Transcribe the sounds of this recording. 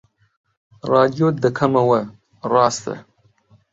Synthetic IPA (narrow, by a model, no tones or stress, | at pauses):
ɾɑd̪jod̪əkʰamawa | ɾɑːst̪ə̰